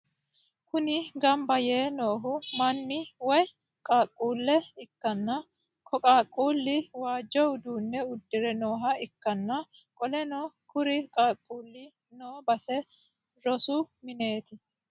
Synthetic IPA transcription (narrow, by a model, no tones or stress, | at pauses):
kʊnɪɡɐmbɐje̞ːno̞ːɦʊmɐnːɪwɔj | kʼaːkʼːuːlːɛɪkːɐnːɐ | kʰɔkʼaːkʼːuːlːɪwaːd͡ʒːɔwʊd̪uːnːɛʊd̪ːɪɾɛno̞ːɦɐɪkːɐnːɐ | kʼɔlɛnɔkʊɾɪkʼaːkʼːuːlːɪ | noːbɐsɛ | ɾɔsʊmɪne̞ːt̪ɪ